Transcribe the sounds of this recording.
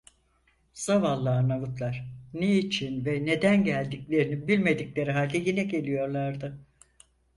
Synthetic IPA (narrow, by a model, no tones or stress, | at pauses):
z̥avalˠːanavut̪lˠaɾ̥neit͡ʃʰinvɛne̞d̪ænɟælʲd̪iclʲe̞ɾinibilʲme̞d̪iclʲe̞ɾiɦaːlʲd̪ɛjinɛɟe̞lʲijo̞ɾlˠaɾd̪ɯ